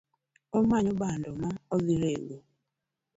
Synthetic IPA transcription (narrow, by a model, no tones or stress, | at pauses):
omaɲʊbandɔmaoɡiɾeɡo